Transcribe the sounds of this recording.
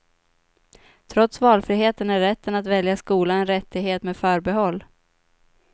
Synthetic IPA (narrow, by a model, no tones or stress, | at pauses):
t̪ʰɾɔt̪svɑːlfɾiːɦeːt̪ənæːɛt̪ːənat̪vɛljaskuːlaɛnɾɛt̪ʰːɪɡheːt̪meːd̪fœːɾbɛɦɔlː